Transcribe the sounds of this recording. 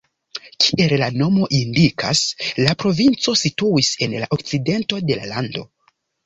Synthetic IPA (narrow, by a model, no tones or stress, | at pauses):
kʰiʔellano̞mo̞ʔindikʰa̰slapɾo̞vint͡so̞situise̞nlaʔokt͡side̞nto̞de̞la̰lando̞̰